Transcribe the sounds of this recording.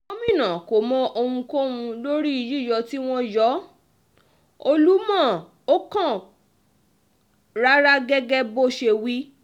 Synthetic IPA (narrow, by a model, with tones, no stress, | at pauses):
o˦mĩ˦˨nã˨ko˨mɔ̃˧ʔo˧hũ˧ko˦wũ˧lo˦ɾi˦i˧ji˦˨jɔ˧ti˦w̃ɔ̃˦jɔ˨˦ | o˧lu˦mãː˦˨ | o˦kã˦˨ | ɾa˦ɾa˦ɡɛ˦ɡɛ˦bo˦ʃe˧wi˦